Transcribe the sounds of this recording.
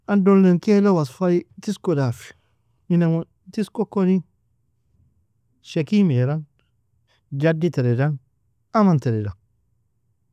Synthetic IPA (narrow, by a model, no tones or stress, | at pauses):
andonlenkelowasfaitiskodafi̥ | inaotiskokːoni | ʃekimeɾan | d͡ʒaditeɾedan | amanteɾeda